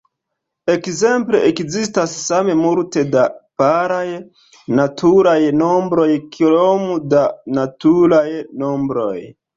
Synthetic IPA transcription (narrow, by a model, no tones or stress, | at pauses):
e̞kze̞mple̞ʔekzistasːame̞muɾte̞dapaɾaj | natʰuɾajno̞mbɾo̞jkʰlomudanatuɾajno̞mbɾo̞̰j